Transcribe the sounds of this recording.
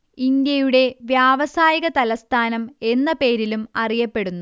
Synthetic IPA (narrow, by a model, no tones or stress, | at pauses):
ind̪jɐjuɽe̞ʋjaːʋɐsaːjiɣɐt̪ɐlɐst̪ʰaːnɐme̞nːɐpe̞ːɾilumɐrijɐpːe̞ɽunːu